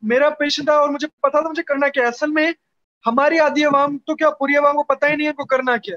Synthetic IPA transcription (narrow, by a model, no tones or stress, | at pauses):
meːɾapeːʃə̃nd̪aɔːɾmʊd͡ʒʱepɐt̪at̪ʰamʊd͡ʒʱekɐɾnakjaɐsəlmẽ | hɐmaːɾiaːd̪iɐʋaːmt̪okjaːpuːɾiɐʋaːmkopɐt̪aɦĩnɐ̃ɦĩɐnkokɐɾnakjaː